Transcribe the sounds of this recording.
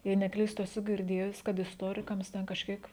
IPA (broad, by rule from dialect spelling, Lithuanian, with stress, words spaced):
jɛɪ nʲɛˈklʲiːstʊ ɛˈsʊ ɡʲɪrʲˈdʲeːjʊs kɐt ɪsˈtoːrʲɪkɐms tʲɛn kɐʃʲˈkʲiɛk